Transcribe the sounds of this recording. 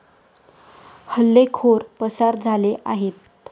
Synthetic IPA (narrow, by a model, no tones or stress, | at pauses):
həlːekʰoɾpəsaɾd͡zʱaleʔaɦet̪̚